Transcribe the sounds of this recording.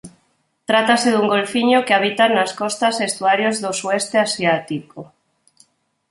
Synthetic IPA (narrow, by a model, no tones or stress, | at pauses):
t̪ɾat̪aseðuŋɡolfiɲokeaβ̞it̪anaskɔst̪asest̪uaɾjozðosuɛst̪easjat̪iko